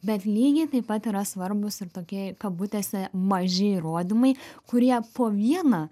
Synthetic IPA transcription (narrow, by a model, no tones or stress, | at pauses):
bʲɛt̪lʲiːɡʲɪt̪ɐɪpɐt̪iːɾɐsʋɐɾbʊsɪɾt̪oːkʲiɛkɐp̚buːt̪ʲɛsʲɪmɐʒʲɪiːɾoːd̪ʲɪmɐɪkʊɾʲiɛpoːʋʲiɛnɐ